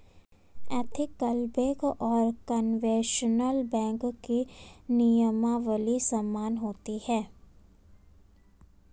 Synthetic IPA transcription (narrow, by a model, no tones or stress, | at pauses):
ɛːt̪ʰɪkːəlbekɔːɾkənʋẽːʃənəlbɛ̃ːŋkkinijəmaʋəlisɐmːaːnɦoːt̪ihɛː